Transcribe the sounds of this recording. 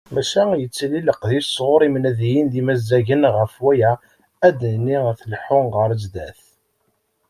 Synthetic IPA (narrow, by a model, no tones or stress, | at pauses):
mæʃæjət͡sːliləqðisʁʊɾˤimənæðijinðimæzːæʝənʁəfwæjæ | æd̪nːiæθəlħʊnʁəɾəzd̪æθ